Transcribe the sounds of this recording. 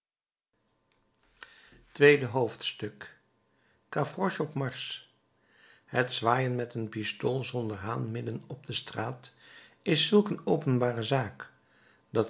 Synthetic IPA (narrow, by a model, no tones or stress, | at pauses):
tʋejdəɦowftstɵkː | afrɔʃɔpmɑɹs | hətsʋaːjənmɛtənpistolˠzɔndəɹɦaːnmɪdənɔb̚dəstraːt | ɪsɵlˠkənowpənbaːrəzaːk | d̥ɑt